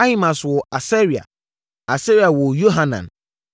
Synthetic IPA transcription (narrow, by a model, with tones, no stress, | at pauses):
a˦hi˦mã˨swɔ˨a˨sɛ˦ɾi˨a̰˨ | a˨se˦ɾi˨a˨wɔ˨jo˦ɦa˦nã̰˨n